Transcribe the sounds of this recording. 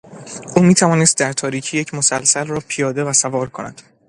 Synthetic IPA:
ʔuːmiːt̪ʰævɒːnest̪̚d̪æɾt̪ʰɒːɾiːcʰiːjecʰmo̞sælsælrɒːpʰijɒːd̪e̞væsævɒːɾkʰonæ̰d̪̥

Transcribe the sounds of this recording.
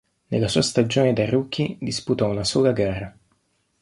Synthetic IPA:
nelːasuːast̪ad͡ʒoːned̪aruk̟ʰːid̪isput̪ɔunasoːlaɡɛrːa

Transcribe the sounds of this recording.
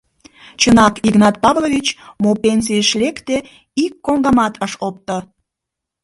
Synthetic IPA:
t͡ɕənɑkiɣnɑt̪̚pɑvloβʲit͡ɕmopens̬ijəʃlekt̪e | ikːoŋɡɑmɑt̪ʰəʃop̚t̪ə

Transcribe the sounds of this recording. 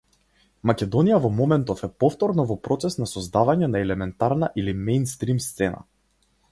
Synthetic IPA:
makʲɛd̪ɔnijavɔmɔmɛnt̪ɔfɛpɔft̪ɔɾnɔvɔpɾɔt̪sɛsnasɔzd̪avaɲɛnaɛlɛmɛnt̪aɾnaʔilimɛjnst̪ɾimst̪sɛna̰

